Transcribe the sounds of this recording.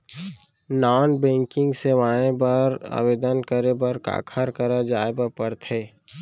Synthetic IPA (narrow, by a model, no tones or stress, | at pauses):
naːnbẽːŋkɪ̃ŋɡseʋaːẽbəɾa̰ːbeːd̪ənkəɾebəɾka̰ːkʰəɾkəɾad͡ʒaːebəpəɾt̪ʰeː